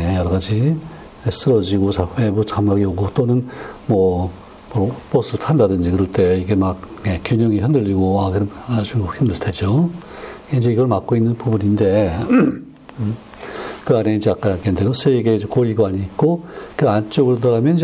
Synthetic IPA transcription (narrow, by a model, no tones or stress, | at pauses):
ejʌɾʌɣad͡ʑi | es͈ɯɾʌd͡ʑiɡosʰaɸe̞but͡ɕamɡaɡioɡot͈onɯnmʌ | mop͈ʌs͈ɯtʰandadɯnd͡ʑikɯɾʌɭt͈e̞iɡe̞mak̚nekjoɲʌŋiçjʌndɯʎːiɡoakɯɾʌmad͡ʑuçimdɯɭtʰed͡ʑo | ind͡ʑeiɡʌɭmak͈oinːɯnpubuninde̞ | kɯane̞ind͡ʑeak͈akendeɾosʰeiɡed͡ʑekoɾiɡwaɲiːk̚k͈okɯʌant͡ɕ͈oɡɯɭt̬ɯɾʌɣamjʌnid͡ʑ